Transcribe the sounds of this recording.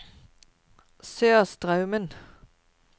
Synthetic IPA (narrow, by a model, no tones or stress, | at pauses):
søːst̪ʁɑʉmən